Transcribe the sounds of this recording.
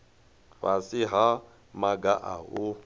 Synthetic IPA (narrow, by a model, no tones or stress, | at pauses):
βasɪɦa | maɡaʔa̰ʊ